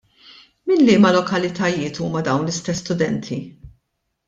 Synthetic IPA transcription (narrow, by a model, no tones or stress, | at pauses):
mɪnlɪːmɐlɔkɐlɪt̪ɐjɪːt̪uːmɐd̪ɐwnlɪst̪ɛsːt̪ʊd̪ɛnt̪ʰi